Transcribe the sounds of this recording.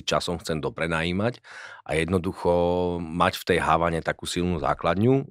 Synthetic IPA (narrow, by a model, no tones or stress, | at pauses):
it͡ʃa̰sɔmxt͡sɛnd̪ɔpɾɛnaːjiːmacʔa̰jɛd̪nɔd̪uxɔmacft̪ɛjɦaʋaɲɛt̪akuːsilnuza̰ːklad̪ɲu